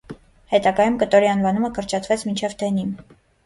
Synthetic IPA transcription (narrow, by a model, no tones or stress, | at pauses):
hɛt̪ɑɡɑjumkət̪ɔɾiɑnvɑnuməkʰəɾt͡ʃʰɑt̪ʰvɛt͡sʰmint͡ʃʰɛvt̪ʰɛnim